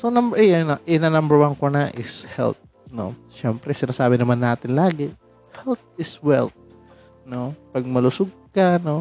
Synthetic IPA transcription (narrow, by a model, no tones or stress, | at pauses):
sonɐmbɛʔɛɐnoʔɪnɐnɐmbɛɹwankonɐʔɪshɛ̰lt̪̚ | no̞̰ | ʃɛmpɾɛsɪnaːsaːbɪnɐmanːaːt̪ɪnlaːɡɪ | hɛlt̪̚ɪswɛ̰lt̪̚ | no̞pɐɡ̚mɐlʊsʊɡ̚kɐno̞